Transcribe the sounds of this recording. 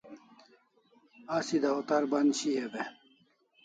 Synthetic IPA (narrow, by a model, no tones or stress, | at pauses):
asid̪ɐot̪aɾbɐnɕiɦebe